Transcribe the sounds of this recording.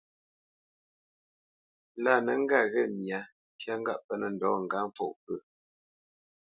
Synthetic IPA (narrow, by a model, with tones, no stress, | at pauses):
la˦˨nə˨˦ŋ̩˦ɡa˦˨ɣɛ˦˨mja˨˦ | kja˦ŋ̩˦ɡa̰˦ʔpə˦nə˨n̩˨dɔ˨˦˨ŋ̩˨ɡa˦m˦fɔ̰˨ʔpə˦˨